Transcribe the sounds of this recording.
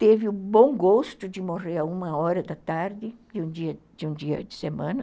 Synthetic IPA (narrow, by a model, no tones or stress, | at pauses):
t̪evɪʊbõw̃ɡost̪ʊd͡ʒɪmoʁeɾɐũmɐɔɾɐd̪ɐt̪aɾd̪ɪd͡ʒɪũd͡ʒiɐ | d͡ʒɪũd͡ʒiɐ̰d͡ʒɪsemɐ̃nɐ